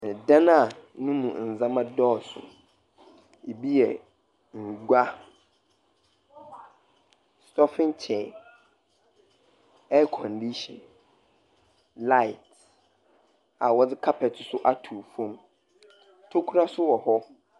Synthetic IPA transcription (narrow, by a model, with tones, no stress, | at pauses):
n˨dã˦nã˦˨nʊ̃˦mũ˨n̩˨zã˦mã˦dɔː˦˨sʊ̰˨ | e˨bi˦jɛ̰˨ | ŋ̩˨ɡʷa˦ | stɔ˦fɪ̃˦nt͡ɕʰɛ˨ | ɛ˦kʰɔ̃˨ndi˦ɕɔ̰̃˨n | la˦ɪ˨t | a˨wɔ˦d͡zɪ˦kʰa˦pʰɛ˨tʰɪ˨sʊ˦ʔa˦tʰu˨fɔ̃˦m | tʰo˦kʷʰu˦ɾa˦sʊ˦wɔ˨hɔ˦